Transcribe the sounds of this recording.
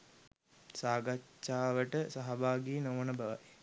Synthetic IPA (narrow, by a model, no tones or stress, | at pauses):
saːɡat͡ʃːaːʋəʈəsaɦabaːɡinoʋənəbaʋaj